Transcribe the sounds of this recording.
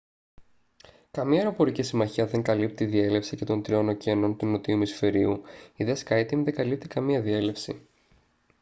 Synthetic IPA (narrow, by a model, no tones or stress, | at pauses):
kɐmiɐeɾo̞po̞ɾicisimɐçiɐðe̞ŋkɐlip̚t̪iiðie̞le̞fsice̞t̪o̞nt̪ɾio̞no̞ce̞no̞nt̪uno̞t̪iumisfe̞ɾiuiðeskɐjt̪iŋðe̞ŋɡɐlip̚t̪ikɐmiɐðie̞le̞fsi